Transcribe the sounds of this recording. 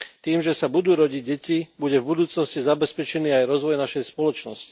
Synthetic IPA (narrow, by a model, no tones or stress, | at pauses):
t̪iːmʒɛsabud̪uːɾɔɟiɟ̚ɟɛcibuɟɛvbud̪uːt͡snɔscizabɛspɛt͡ʃɛniːajɾɔzʋɔjnaʃɛjspɔlɔt͡ʃnɔsci̥